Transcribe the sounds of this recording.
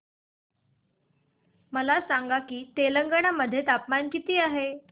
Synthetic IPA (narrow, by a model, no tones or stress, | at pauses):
məlasaŋɡakiːt̪eləŋɡəɳaməd̪ʱːjet̪apmankit̪iːaɦe